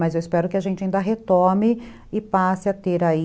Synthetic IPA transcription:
mɐzewɪspɛɾʊkɪɐʒẽnt͡ʃɪaĩnd̪ɐɦet̪õmɪ | ɪpasɪat̪eɾai

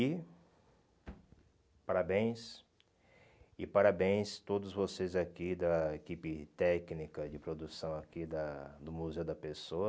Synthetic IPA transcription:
i | paɾabẽj̃s | ɪpaɾabẽj̃st̪od̪ʊzvosezakid̪ɐekipɪt̪ɛknikɐd͡ʒɪpɾod̪usɐ̃w̃akid̪ɐd̪ʊmuzewd̪ɐpesoɐ

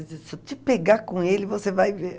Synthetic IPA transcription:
zesot͡ʃ̪ɪpeɡakõelɪvosevajve

